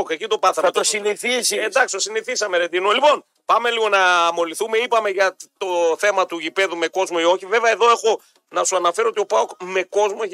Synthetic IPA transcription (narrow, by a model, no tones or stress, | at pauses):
kecit̪o̞pɐθɐɾɐt̪osiniθisend̪ɐksi̥t̪osiniθisɐmeɾed̪inolipo̞n | pɐme̞liɣo̞nɐmo̞liθume̞ipɐme̞ʝɐtt̪o̞θe̞mɐt̪uʝipe̞ðume̞ko̞zmoio̞çive̞veɐe̞ðo̞e̞xo̞ | nɐsuɐnɐfeɾoot̪io̞paokme̞ko̞zmo